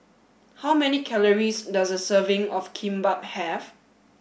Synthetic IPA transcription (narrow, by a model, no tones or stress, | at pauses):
hawmɛnikʰɛləɹisdasdəsəvɪ̃ŋɔfkʰĩmbap̚hɛv